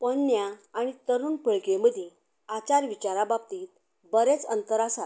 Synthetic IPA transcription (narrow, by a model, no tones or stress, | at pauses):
pənːjaːɽ̃it̪əɾuːnpəɭkeməd̪ʱe | at͡ɕaɾʋit͡ɕaɾabab̚t̪iːt̪̚ | bəɾet͡sənt̪əɾasat̪